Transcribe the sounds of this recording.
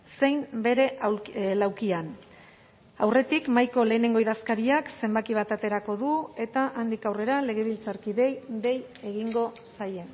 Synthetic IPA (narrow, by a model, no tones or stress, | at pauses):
se̞jmbe̞ɾe̞ʔlawkian | awre̞t̪ikmajko̞le̞ːne̞ŋɡo̞iðaskaɾiakse̞mbakiβ̞at̪at̪e̞ɾako̞ðue̞t̪aʔand̪ikawre̞ɾale̞ɣ̞e̞βilt͡saɾkiðe̞jðe̞j | e̞ɣiŋɡo̞ | saje̞n